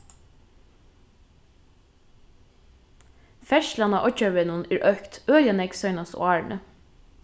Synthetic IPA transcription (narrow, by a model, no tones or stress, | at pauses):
fɛʃlɑnɑ̰ːʔɔc͡çɑʋenʊniːɹʔœkt̪øːljɑnɛɡsœʏnɑsʊ̰ɑːɹnʔə̰